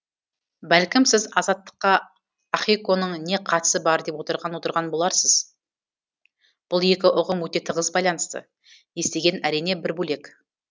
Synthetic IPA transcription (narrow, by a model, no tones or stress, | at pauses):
bælkʲɪmsɪzɑzɑt̪ːə̥qːɑː | χiko̞nəɴne̞qʰɑt̪ə̥səbɑɾd̪e̞pwo̞t̪əɾʁɑnwo̞t̪əɾʁɑnbolˠɑɾsəz̥ | b̥ʊlˠje̞kʲɪʔʊʁəmwɵt̪e̞t̪ʰəʁəzbɑjlˠɑnəst̪ə̰ | je̞st̪e̞ɡʲe̞næɾijne̞bɪɾbɵle̞k